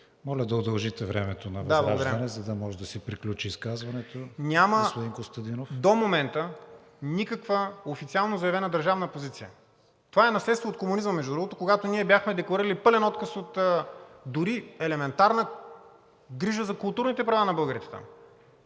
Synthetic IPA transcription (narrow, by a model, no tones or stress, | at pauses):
mɔlʲəd̪ɐod̪ɐlˠʒit̪ɛvɾɛmɛt̪onɐvd̪abllˠaɡ̪d̪ɾaɐnɛzɐd̪ɐmɔʒɛd̪ɐsɛpɾiklʲut͡ʃiːskazvɐnɛt̪onʲaməspʊd̪iŋkost̪ɐd̪inofd̪omomɛnt̪ə | nikəkvəofit̪sialˠnozɐɛvɛnəd̪əɾʒavnəpozit̪sijə̰ | t̪ovaɛnɐslɛt̪st̪voːt̪komunizməmɛʒd̪udɾuɡot̪okoɡat̪oniɛbʲjaxmɛd̪ɛklˠɐɾiɾəlipɤlɛnɔt̪kəsot̪ː | d̪ʊɾiɛlɛmɛnt̪aɾnə | ɡɾiʒəzɐkʊlˠt̪uɾnit̪ɛpɾɐvanɐbɤlˠɡəɾit̪ɛ̥t̪a̰m